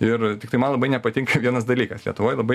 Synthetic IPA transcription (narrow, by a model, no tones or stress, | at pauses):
ɪɾt̪ʲɪkt̪ɐɪmɐnlˠɐbɐɪnʲɛpɐt̪ʲɪŋkɐʋʲiɛnɐs̬d̪ɐlʲiːkɐslʲiɛt̪ʊʋoːjlˠɐbɐɪ